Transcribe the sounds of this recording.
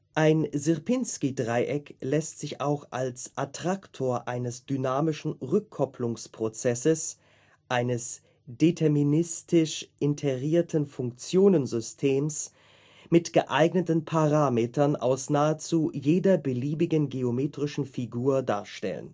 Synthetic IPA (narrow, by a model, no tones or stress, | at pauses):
ʔaɪnzɪʁpɪnskidʁaɪʔɛklɛstz̥ɪçaʊxʔalsʔatʁ̥aktʰoːɐʔaɪnəsd̥ynaːmɪʃn̩ʁʏkʰːɔpʰlʊŋspʁ̥ot͡sɛsəs | ʔaɪnəs | d̥etʰɛɐminɪstʰɪʃʔɪntʰeʁiːɐtʰn̩fʊŋk̚t͡sjoːnənzʏstʰeːms | mɪtɡ̥əʔaɪɡnətn̩pʰaʁaːmeːtʰɐnʔa̰ʊsnaːət͡suːjeːdɐbəliːbɪɡənɡeomeːtʁ̥ɪʃn̩fiɡuːɐda̰ːɐʃtɛ̰lə̰n